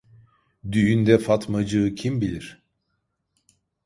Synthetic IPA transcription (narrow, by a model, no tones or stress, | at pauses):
d̪yjynd̪ɛfat̪mad͡ʒɯcʰimbilʲiɾ̥